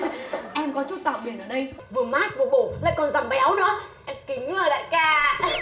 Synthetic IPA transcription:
ʔɛ˧mkɔ˨˦t͡ɕu˦˥t̚t̪a̰ː˧˨wɓi˨˩ənʔəː˧˩ɗə˧jvɨ˨˩əmaː˦˥t̚vɨ˨˩əɓo˧˩la̰ː˧˨jkɔ˨˩nza˨˩mɓa˨˦jʔə˨˦wnɨ̰˧˥əʔɛ˧mkï˨˦ŋ̟ləː˨˩la̰ː˧˨jkaː˧

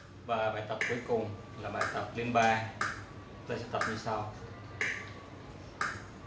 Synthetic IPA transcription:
vaː˨˩ɓa̰ː˨˩jt̪ə˨˩p̚ku˨˦əjkʊ˨˩ŋ͡m | laː˨˩ɓa̰ː˧˨jt̪ə˨˩p̚li˧ənɓaː˧ | t̪aː˧˩sɛ̰˧˥t̪ə˨˩p̚ɲɨ˧saː˧w

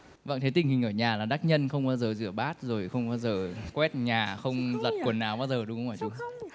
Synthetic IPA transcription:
va̰˧˨ŋt̪ʰe˨˦t̪ï˧˩ŋ̟hï˨˩ŋ̟ʔəː˧˩ɲaː˨˩laː˨˩ɗaː˦˥k̚ɲə˧nxə˧wŋ͡mɓaː˧wzəː˨˩zɨ˧˩əɓaː˦˥t̚zo˨˩jxə˧wŋ͡mɓaː˧wzəː˨˩kwɛ˦˥t̚ɲaː˨˩xə˧wŋ͡mzə˨˩t̚kwənːaː˨˩wɓaː˧˩zəː˨˩ɗʊ˨˦xwfaː˧˩t̪u˧

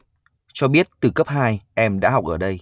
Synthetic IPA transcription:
t͡ɕɔ˧ɓi˦˥ət̚t̪ɨ˨˩kə˦˥p̚ɦaː˧jʔɛ˧mɗa̰ː˧˥ha˨˩k͡p̚ʔəː˧˩ɗə˧j

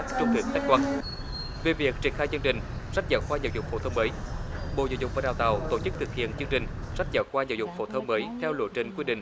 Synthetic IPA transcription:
t͡ɕʊ˨˦ŋ͡m̪ḭ˨˩t̪a˦˥k̚kwa˧ | ve˨˩vi˨˩ək̚t͡ɕi˨˩ənxaː˧jzə˧əŋt͡ɕï˨˩ŋ̟sa˦˥k̚zə̰ː˧˩kwaː˧ɲzə̰˧˨˩wzʊ̰˧˨ŋ͡mfo˧˦t̪ʰə˧wŋ͡mməː˨˦jɓo̰˧˨zəː˧˩wzʊ̰˧˨ŋ͡m̚vaː˨˩ɗaː˨wt̪a˨˩wt̪o̰˧˩t͡ɕɨ˦˥k̚t̪ʰɨ˨˩k̚hḭ˧˨ənt͡ɕɨ˧əŋt͡ɕï˨˩ŋ̟sa˦˥k̟̚zəː˧˩kwaː˧zə̰˧˨wzʊ̰˧˨ŋ͡mfo˧˩˦t̪ʰə˧wŋ͡mməː˨˦jt̪ʰɛ˧wlṵ˧˨t͡ɕi˧˩ŋ̟kwi˧ɗḭ̈˧˨ŋ̟

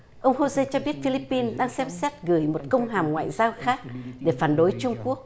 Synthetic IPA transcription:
ʔə˧wŋ͡mho˧se˧t͡ɕɔ˧ɓi˦˥ət̚fi˧li˦˥pːi˧nɗaː˧ŋsɛ˧msɛ˦˥t̚ɣɨ˧˩jmo˨˩t̚kə˧wŋ͡mɦaː˨˩mŋwa̰ː˧˨jzaː˧wxaː˦˥k̚ɗe˧˩faː˧˩nɗo˨˦jt͡ɕʊ˧ŋ͡mku˦˥ək̚

